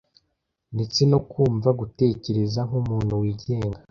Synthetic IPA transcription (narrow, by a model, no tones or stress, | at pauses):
net͡sino̞kuːɱvaɡute̞ːce̞ɾe̞zaŋumuːn̤̥huwiːɟe̞ːŋɡa